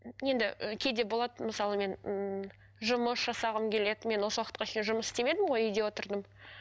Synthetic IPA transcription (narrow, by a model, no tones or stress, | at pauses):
je̞nd̪ɪəkʲʰe̞d̪e̞bo̞lˠɑd̪məsɑlˠəme̞nə | ʒʊməsʒ̥ɑsɑʁəmkʲʰe̞le̞d̪me̞nwo̞səwɑqət̪̚qɑʃʰe̞jnʒʊməsɪ̥st̪eme̞d̪ɪmʁo̞jʏjd̪e̞wo̞t̪əɾd̪əm